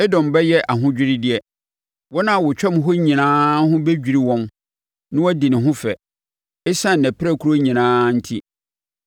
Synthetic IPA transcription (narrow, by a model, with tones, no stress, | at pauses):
ɛ˦dɔ̃˨mbɛ˦jɛ˦ʔa˨ɦʊ̃˦d͡ʑᶣɪ˦ɾi˦dɪ˦ɛ˦ | wɔ˦nã˦˨wʊ˨t͡ɕᶣɛ˦m˦ɦo˦ɲĩ˨nãː˦ɦʊ̃˦bɛ˦d͡ʑᶣi˨ɾi˨wɔ̃˦n | nɪ̃˦wɔ˦dĩ˨nɪ̃˨ɦʊ̃˦fɛ˨ | e˦sã˦˨nɛ̃˨pʰɪ˦ɾɛ˦˨kʰu˦ɾo˦ɲĩ˨nãː˦n̩˦tʰi˦